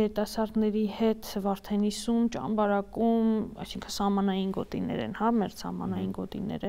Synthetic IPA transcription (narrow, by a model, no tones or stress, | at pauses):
jɛɾit̪ɑsɑɾd̪nɛɾihɛt̪ʰvɑɾt̪ʰɛnisumt͡ʃɑ̰nbɑɾɑkumɑ̰jsiŋkʰəsɑhmɑnɑjinɡɔt̪inɛ̰ɾɛ̰nhɑmɛʁsɑ̰hmɑ̰nɑjinɡɔt̪ḭnɛ̰ɾɛ